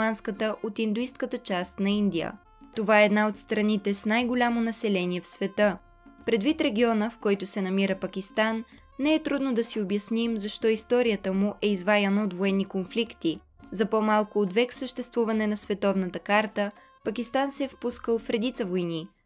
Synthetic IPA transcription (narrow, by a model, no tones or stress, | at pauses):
anskət̪əʔot̪ind̪ʊist̪kət̪ət͡ʃast̪nɐind̪ijə̰ | t̪ovaɛːd̪naot̪st̪ɾɐnit̪ɛsnajɡolʲamonɐsɛlɛniɛfsvɛt̪ɤ | pɾɛd̪vit̪ɾɛɡʲiɔnəfkɔjt̪ʊsɛnɐmiɾəpɐkʲist̪anː | ɛɛt̪ɾud̪nod̪ɐsiobjɐsnimzɐʃt̪ɔist̪ɔɾijət̪əmuʔɛizvajɐnəot̪voɛnːikonflikt̪i | zɐpomalˠkoːd̪vɛksəʃt̪ɛst̪vuvɐnɛnɐsvɛt̪ɔvnət̪əkaɾt̪ə | pəkʲist̪ansɛɛfpuskəlˠfɾɛd̪it̪səvojni